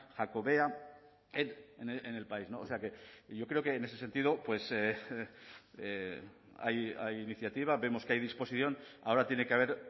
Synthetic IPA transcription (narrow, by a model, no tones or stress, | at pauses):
xako̞βe̞a | eneneene̞lpaizno̞ːseake̞ʝo̞kɾeo̞ke̞ːne̞s̬e̞se̞nt̪iðo̞pwe̞se | a̰ja̰jiniθjat̪iβ̞aβe̞mo̞skeajðispo̞siθjo̞na̰o̞ɾat̪je̞nekeaβ̞e̞ɾ